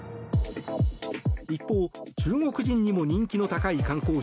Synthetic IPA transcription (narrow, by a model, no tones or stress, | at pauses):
ipːo̞ːt͡ɕɨːŋo̞kɯ̟ʑĩɲ̟ːimo̞ɲ̟ĩŋkʲino̞t̪akaikãŋko̞ː